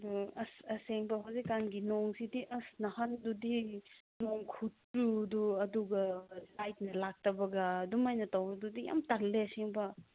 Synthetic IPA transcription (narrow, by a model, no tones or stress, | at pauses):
ɐduɐsɐseŋbɐɦawzikːanɡinoŋsidiʔɐsnɐhɐndudinoŋkʰutːuduɐduɡɐlajt̚nɐlak̚tɐbɐɡɐdumajnɐtawbɐdudija̰mtalːeɐseŋbɐ